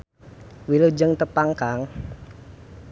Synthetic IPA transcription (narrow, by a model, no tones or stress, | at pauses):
wilud͡ʒəŋt̪əpaŋkaŋ